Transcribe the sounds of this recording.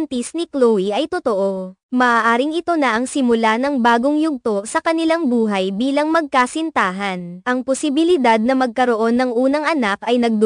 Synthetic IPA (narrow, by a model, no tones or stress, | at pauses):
nt̪isnɪklowiʔɐjt̪ot̪o̞ʔo̞ | mɐʔaːʔaːɾɪŋɪt̪o̞nɐʔɐŋsɪmʊlanɐŋbaːɡoŋjʊɡ̚t̪o̞sɐkɐnɪlaŋbuːɦɐjbiːlɐŋmɐɡ̚kasɪnt̪aːɦɐnʔɐŋposɪbɪlɪd̪ad̪̚nɐmɐɡ̚kɐɾo̞ʔo̞nːɐŋʔuːnɐŋɐnakʔɐjnɐɡ̚d̪